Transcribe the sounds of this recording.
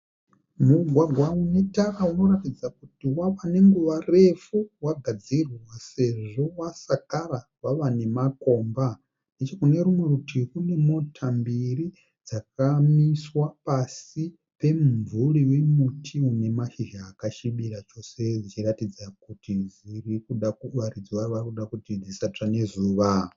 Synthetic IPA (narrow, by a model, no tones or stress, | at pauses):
muɡʱwaɡʱwaune̞tarauno̞ɾatid͡zakutiwaʋane̞ŋɡuʋare̞fuwaɡʱad͡zirwase̞ʐo̞wasakarawaʋane̞mako̞ːmba | nde̞t͡ʃo̞kune̞ɾumwekutirunemutʰambiɾi | d͡zak̚amiswapasi | pe̞muvuliwe̞mutʰiune̞maʃiʒaːkaʃiɓiɾat͡ʃo̞sed͡zit͡ʃiratid͡zakutizirikuɗakuʋaɾid͡zwaʋakuɗakutid͡zisat͡ʂane̞zuːʋa